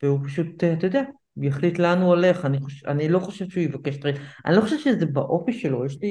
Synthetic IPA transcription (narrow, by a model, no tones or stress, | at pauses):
veupaʃuteat̪ajod̪ea | jaχlitlanuale̞χaniχoa̰nilo̞χo̞ʃe̞vʃeujevake̞ʃtʁita̰nilo̞χoʃevʃezebaʔo̞fiʃelo̞jeʃli